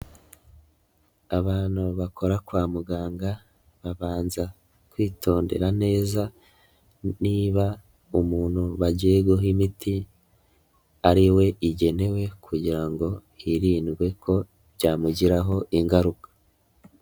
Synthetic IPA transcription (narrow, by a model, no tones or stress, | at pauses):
aβaːn̥huβakʰo̞ɾakwaːmuɡaːŋɡa | βaβaːnza | kwiːtʰo̞ːnde̞̰ɾane̞ːza | niːβa | umuːn̥huβaɟeːɡoɦimiti | aɾiwe̞ʔiɟe̞ne̞we̞kʰuɟiɾaŋɡo̞ | iɾiːnɡwe̞kʰo̞ | βɟaːmuɟiɾaɦo̞ʔiŋɡaɾukḁ